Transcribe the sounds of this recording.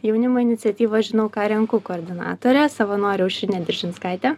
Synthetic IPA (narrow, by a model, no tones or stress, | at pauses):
jɛʊnʲɪmoːɪnʲɪt̪sʲɛt̪ʲiːʋɐʒʲɪnɐʊkɑːɾʲɛŋkʊkoːɾʲd̪ʲɪnɑ̰ːt̪oːɾʲɛsɐʋɐnoːɾʲɛʊʃʲɾʲɪnʲɛd̪ʲɪɾʲʒʲɪnskɑˑɪt̪ʲɛ